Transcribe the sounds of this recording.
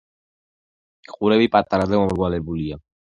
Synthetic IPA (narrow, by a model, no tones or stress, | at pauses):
χuɾɛbipʼat̪ʼːaɾad̪ɛmɔmɡwalɛbulia